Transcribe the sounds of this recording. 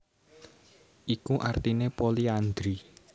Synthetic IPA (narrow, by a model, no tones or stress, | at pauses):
ʔikuʔart̪inepoliand̪ɾi